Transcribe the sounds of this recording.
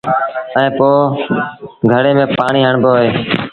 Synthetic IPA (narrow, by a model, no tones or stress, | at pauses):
əɛɛ̃ːpoː | ɡʱəɽeːmẽːpaːɳiːɦəɳboːɦeː